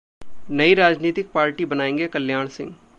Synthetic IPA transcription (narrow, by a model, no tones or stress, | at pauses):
nəiɾaːd͡ʒniːt̪ɪk̚paːɾʈibənaːẽːŋɡeːkəljaːɳsɪ̰̃ŋɡ